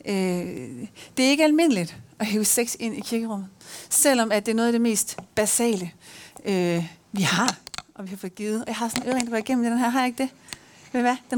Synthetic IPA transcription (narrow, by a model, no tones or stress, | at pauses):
ø | d̥e̝æɐe̝ɡ̥əælme̝nəlid̥ʔɒ̽ɦeːʊseɡ̥se̝n̰ikʰiɐɡ̥əʁɔ̽m̰ð̩ˠsel̰ɒ̽mæd̥e̝æɐnɔðˠæd̥e̝me̝̰ːsd̥b̥æsɛ̰ːləøʋihɑ̈ɒ̽ʋihɑ̈fɔ̽ð̩ˠɡ̥iːð̩ˠɒjɑ̈ɦɑ̈sɒ̽nøʁeŋndɑʋæɐiɡ̥en̰m̩d̥enɦæɐ̰ɦɑ̈jɑe̝ɡ̥əd̥e̝ | eʋæd̥en